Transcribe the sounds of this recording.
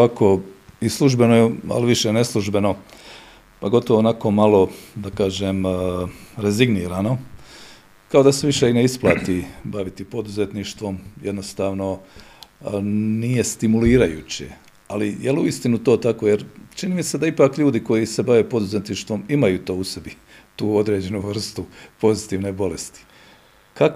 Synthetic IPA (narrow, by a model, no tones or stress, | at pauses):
oako̞islˠuʒbe̞noja̰liʋiʃene̞slˠuʒbe̞no̞ | paɡo̞t̪oʋoːnako̞malˠo̞d̪akaːʒem | ɾe̞ziɡniːɾaːno̞ | kao̞d̪aseʋiʃeineisplˠaːt̪ibaʋit̪ipo̞d̪uze̞t̪niʃt̪ʋo̞mje̞d̪no̞st̪aːʋno̞ | nije̞st̪imuliːɾajṵːt͡ɕe̞̰ | alijeluist̪inut̪o̞ːt̪ako̞jeɾt͡ʃiniːmise̞d̪aipaːkʎuːd̪iko̞jise̞baʋe̞ːpo̞d̪uze̞t̪niʃt̪ʋo̞mimajuːt̪o̞ːusebi | t̪uːo̞d̪ɾe̞ːd͡ʑe̞nuʋr̩st̪upo̞zit̪iːʋnebo̞le̞st̪i̥ | kak